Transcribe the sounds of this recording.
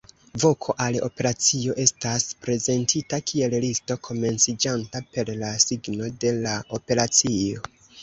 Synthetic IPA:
vo̞kʰo̞ʔalo̞̰pe̞ɾat͡sio̞ʔe̞staspɾe̞ze̞ntʰitakʰie̞llisto̞kʰo̞me̞nt͡sid͡ʒantape̞ɾlasiɡno̞de̞lao̞pe̞ɾat͡sio̞

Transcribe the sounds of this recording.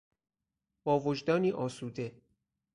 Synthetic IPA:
bɒːvod͡ʒd̪ɒːniːʔɒːsuːd̪e

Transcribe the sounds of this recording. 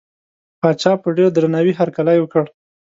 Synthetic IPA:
pɑt͡ʃɑpəɖeɽd̪ɾanawiɦaɾkalajwəkəɽ

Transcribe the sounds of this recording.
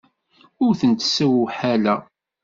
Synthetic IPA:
ʊɾθənt̪sːæwuħælæ

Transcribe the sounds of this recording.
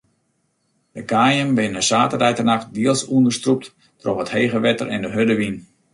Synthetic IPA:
d̥əkaːjəmʋɪnəsaːtərɛjtərnaχt̚diəlˠsuəndərstrup̚t | trofətheːɣəʋɛtərʔɛndəɦødəʋin

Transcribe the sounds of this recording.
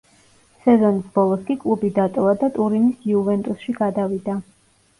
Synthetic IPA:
sɛzɔnisbɔlˠɔskʼikʼlˠubid̪at̪ʼɔvad̪at̪ʼuɾinisiuvɛnt̪ʼusʃiɡad̪avid̪a

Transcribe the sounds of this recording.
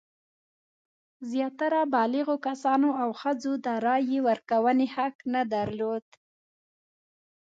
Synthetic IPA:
zjɑt̪aɾabɑlɪɣokasɑnoawxəd͡zod̪əɾɑjewəɾkawənehaknad̪aɾlod̪

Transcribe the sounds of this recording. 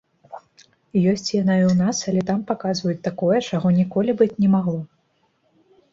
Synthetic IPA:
jɔsʲt͡sʲjanaiwn̪asɐlʲɛt̪ampakazvɐjut͡sʲt̪akɔjɛt͡ʂaɣɔnʲikɔlʲibɨt͡sʲnʲɛmaɣlˠɔ

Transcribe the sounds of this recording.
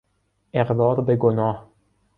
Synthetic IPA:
ʔeɣd̪ɒːɾbeɡonɒːh

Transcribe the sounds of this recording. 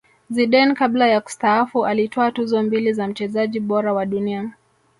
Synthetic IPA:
ziɗɛnkaɓlajaku̥staafuʔalitɔatuzɔmbilizam̩t͡ʃɛzaʄiɓɔɾawaɗunia

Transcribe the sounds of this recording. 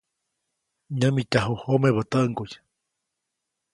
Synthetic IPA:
ɲəmit̪ʲaɦuhomeβət̪əʔŋkuj

